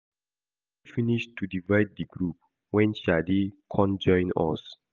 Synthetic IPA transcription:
ifiniʃtːudivajd̚ːiɡɾup̚ | wɛ̃nʃadikʰɔ̃nd͡ʒɔ̃ɪ̃nɔ̰s

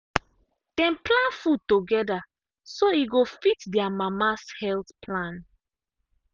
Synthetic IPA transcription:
d̥ɛ̃mplãnfud̚toɡɛda | soiɡofitdiamamashɛltpʰlãn

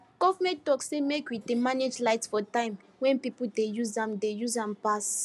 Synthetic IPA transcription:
ɡ̥ɔvmɛ̃ttɔksemekwidemaned͡ʒlaɪtsfɔtãɪ̃m | wɛ̃npipul̩dejuzãmdejuzãmpas

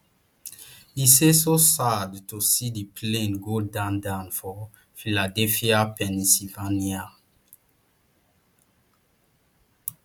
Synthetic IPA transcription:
isesosadtusidipʰlẽnɡodãndãnfɔ | filadɛfiapɛ̃nsivania

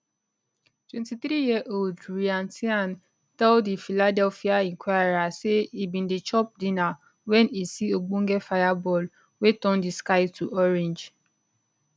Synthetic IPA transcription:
twɛ̃ntiθɾijiʔoldɾiãntian | tɛldifiladɛlfiaĩŋkʰwajɾaseibĩndit͡ʃɔp̚dina | wɛnisioɡ͡boŋ̩ɡefajabɔl | wetɔ̃ndiskaɪtʰuʔɔɾẽnd͡ʒ

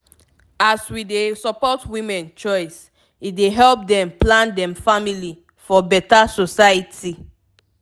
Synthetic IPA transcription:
aswidesɔpɔtwĩmɛ̃nt͡ʃɔɪs | ideɦɛlp̚dɛ̃mplãndɛ̃mfamili | fɔbɛtasosajiti

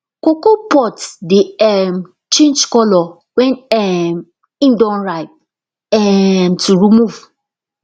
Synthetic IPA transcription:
kokopʰɔtdɪɛm | t͡ʃẽnd͡ʒkɔlɔ | wɛ̃nɛm | ĩndɔ̃nɹaɪp̚ | ɛmtʰuɹimuv

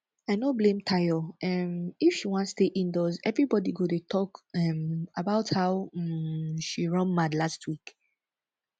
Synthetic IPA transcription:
aɪnoblẽmtʰajɔɛmifʃiwɔ̃ntsteʔĩndɔzɛvɹibɔdiɡodetʰɔkɛmabaʊthaʊ | ʃiɹɔ̃nmadlastʰwik

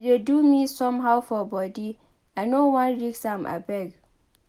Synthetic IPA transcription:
dedumisɔ̃mɦawfɔbɔdi | ãnowɔ̃nɹiksãmʔa̰bɛɡ

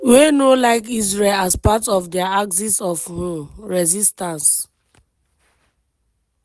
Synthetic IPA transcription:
wenolaɪkizɹelaspatɔfdɛaaksisɔfhũɹɛzistãns

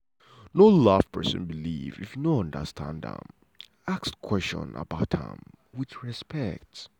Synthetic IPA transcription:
nolav̥pʰɜ̰˞sɨ̃nbilḭvḭfjnoʌ̃ndə̰stʰã̰ndə̰̃m | akskʰw̥ɛst͡ʃɔ̰̃nə̰baʊthə̰̃m | wɪθɹɛspʰɛk̚t

